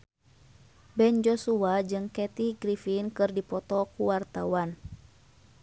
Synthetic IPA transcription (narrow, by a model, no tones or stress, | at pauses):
bɛnd͡ʒɔsuad͡ʒɨŋkɛt̪iɡɾifinkɨrdipɔt̪ɔkuwart̪awan